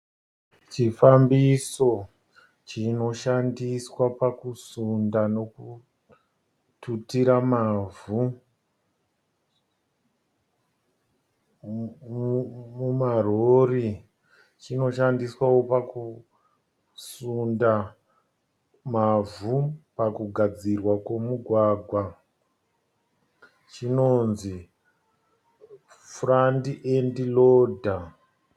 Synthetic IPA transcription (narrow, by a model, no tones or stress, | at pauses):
t͡ʃifambiso̞ | t͡ʃino̞ʃandiswapakusundanoku | tutiɾamavu | mumarori | t͡ʃino̞ʃandiswawopaku | sunda | mavupakuɡʱad͡zirwakwemuɡʱwaːɡʱwa | t͡ʃinonzi | frandiʔendiloːdʱa